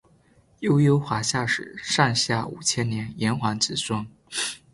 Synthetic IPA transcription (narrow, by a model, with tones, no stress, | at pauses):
jo˥ʊjo˥ʊxwa˧˥ɕja˥˩ʂɻ̩˨˩˦ʂɑ˥˧ŋɕja˥˩ṵ˨˩t͡ɕʰjɛ˥nnjɛ˧˥njɛ˧˥nxwa˧˥nt͡sɹ̩˨˩swə˥ŋ